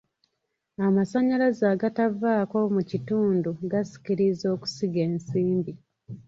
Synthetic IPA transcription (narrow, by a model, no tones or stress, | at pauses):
amasaɲalazaːɡatavaːko̞mucituːnduɡasi̥ciɾizo̞ːku̥siɡe̞ːnsiːmbi